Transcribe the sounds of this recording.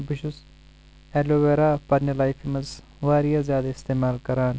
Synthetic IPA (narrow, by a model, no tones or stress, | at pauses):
bɪʃʊs | eːloʋeːɾaːpɐɾnɐlaːjfimɐz | ʋaːɾijazjaːd̪aɪst̪eːmaːlkɐɾaːn